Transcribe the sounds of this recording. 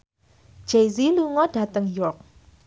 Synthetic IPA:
d͡ʒejziluŋɔdat̪əŋjɔrk̚

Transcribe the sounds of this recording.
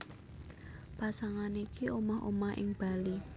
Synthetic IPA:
pasaŋanikiomɔho̰mahɪ̰ŋb̥a̤li

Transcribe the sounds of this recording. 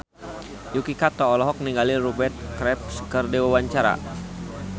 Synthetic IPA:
jukikat̪ɔːlɔɦɔk̚niŋɡaliɾubɛrt̪̚kɾɛp̚skərdewawaɲt͡ʃaɾa̰

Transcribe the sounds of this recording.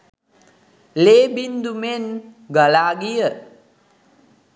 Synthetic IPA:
lebind̪umen | ɡəlaːɡijə

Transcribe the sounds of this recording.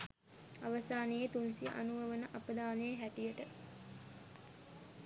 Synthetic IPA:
aʋɐsaːnejet̪unsiʔa̰nuʋəʋənəʔapəd̪aːnejəɦæʈijəʈə

